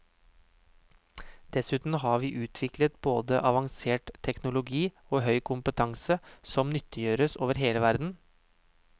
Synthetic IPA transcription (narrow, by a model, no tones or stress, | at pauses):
d̪̥ɛsʉːt̪n̩ɦɑːʋiːʔʉːt̪ʰʋɪklət̪boːd̪əʔɑʋɑŋseːʈt̪ʰɛknʊlʊɡiː | oːɦœʏkʰʊmpət̪ʰɑŋsəsɔmnʏt̪ʰːəjøːɾəsoːʋəɾɦeːləʋæɾd̪n̩